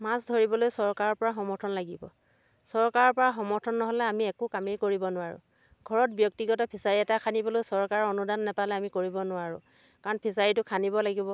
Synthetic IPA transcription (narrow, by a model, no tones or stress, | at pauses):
masdʱɔɹibɔlojsɔɹkaɹɔɹpɔɹaxɔmɔɹtʰɔnlaɡibɔ̰ | sɔɹkaɹɔɹpɔɹaxɔmɔɹtʰɔnːɔɦɔlɛamiɛkʊkameɹkoɹibɔnʊwaɹʊ̰ | ɡʱɔɹɔt̚bjɔk̚tiɡɔtapʰisaɹiɛtakʰanibɔlojsɔɹkaɹɔɔnudanːɛpalɛamikoɹibɔnʊaɹʊ̰ | kaɹɔnpʰisaɹitʊkʰanibɔlaɡibɔ